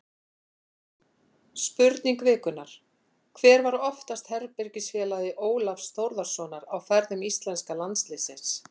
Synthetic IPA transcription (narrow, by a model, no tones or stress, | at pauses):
spʏɾt̪niŋkvɛːkʏnaɾ̥ | kʰvɛːɾvaɾɔft̪ast̪hɛɾpɪɾcɪsfjɛːlaðɪʔoːwlafst̪owɾðaɾ̥sɔnaɾawkɛɾðʏmist̪lɛnskalant̪slɪːsɪns